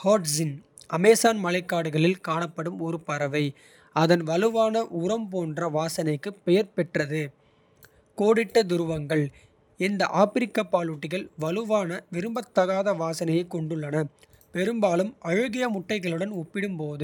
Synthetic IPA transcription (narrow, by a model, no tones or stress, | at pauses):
haːʈsɪn | ɐmeːsaːnmɐlɐɪkːaːɽɯɣɐɭɪlkaːɳɐpːɐɽɯmɔɾɯpɐɾɐʋɐɪ | ɐðɐnʋɐlɯʋaːnɐʔʊɾɐmpoːndrɐʋaːsɐnɐɪkːɯpɛjɐɾpɛʈrɐðɯ | koːɽɪʈːɐd̪ʊɾɯʋɐŋɡɐɭ | ɛnd̪ɐʔaːpɪɾɪkːapːaːɭʊʈːɪɣɐɭʋɐlɯʋaːnɐʋɪɾɯmbɐt̪ːɐɣaːðɐʋaːsɐnɐjɐɪkːɔɳɖɯɭːɐnɐ | pɛɾɯmbaːlɯmɐɻɯɣɪjɐmʊʈːɐɪɣɐɭɯɽɐnʊpːɪɽɯmpoːðɯ